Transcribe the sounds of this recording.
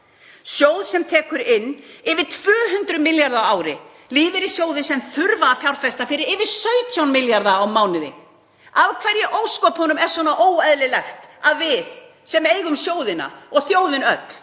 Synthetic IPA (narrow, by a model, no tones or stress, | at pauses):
sjoːwðsɛmt̪ʰɛːkʏɾɪnːɪvɪt̪ʰv̥œːɦʏnt̪ɾʏmɪljaɾðaaːwɾɪ | liːvɪɾisjoːwðɪsɛmθʏɾvaːfjawɾfɛst̪afɪɾɪɾɪvɪ̥sœɥt̪ʰjawnmɪljaɾðaːwmaːwnɪðɪ̰ | avkʰvɛɾjɪʔoːwskɔphɔnʏmɛɾ̥sɔnaʔoːwɛðlɪlɛxt̪aðvɪð | sɛmejɣʏmsjoːwðɪna̰ɔɣθjoːwðɪnœt̪